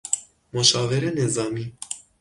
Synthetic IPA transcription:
moʃɑvɛɾɛnezɑmi

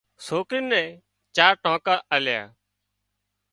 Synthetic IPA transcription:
soːkɾɪːnːɛ̃ː | t͡ʃaːɾʈõːkaːʔəlja̰ː

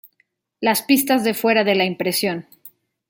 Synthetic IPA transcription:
laspist̪azðe̞fwe̞ɾaðe̞laimpɾe̞sjo̞n

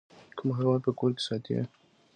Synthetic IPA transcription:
kʰʊmɦaɾwɑnpəkoɾke̥sɑt̪ḭa̰

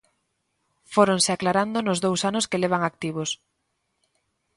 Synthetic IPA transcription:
foɾoŋsɪaklaɾand̪onʊzðowsanʊskeleβ̞aŋak̚t̪iβʊs

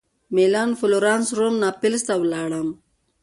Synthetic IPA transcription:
melaːnfʊloɾaːnsɾomnaːpɪlst̪awlaːɽəm

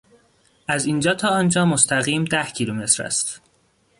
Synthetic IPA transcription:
æzind͡ʒɒːt̪ʰɒːɒːnd͡ʒɒːmost̪ʰæɣiːmd̪æhcʰiːluːme̞t̪ʰɾæ̰st̪

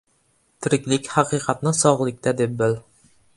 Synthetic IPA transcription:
t̪ʰɾɪkʲlɪkʲhɑqiqɑt̪nɨsɒʁlˠɪk̚ʲt̪æd̪ep̚bɘl

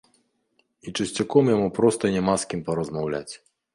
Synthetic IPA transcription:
it͡ʂɨsʲt͡sʲakɔmjamupɾɔst̪ɐinʲɛmaskʲimpɐɾɐzmawlʲa̰t͡sʲ

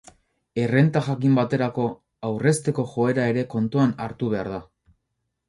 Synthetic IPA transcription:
e̞re̞nt̪aʝakimbat̪e̞ɾako̞ | awre̞st̪e̞ko̞ʝo̞e̞ɾae̞ɾe̞ko̞nt̪uanaɾt̪uβ̞e̞aɾða

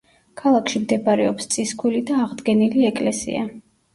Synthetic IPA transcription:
kʰalˠakʰʃimd̪ɛbaɾɛɔpst̪sʼiskʰulid̪aːʁd̪ɡɛniliɛkʼlɛsḭa̰

